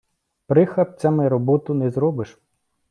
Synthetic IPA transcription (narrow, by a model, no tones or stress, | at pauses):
pɾɪxɐp̚t͡sʲamɛɾɔbɔt̪ʊnɛzɾɔbɪʃ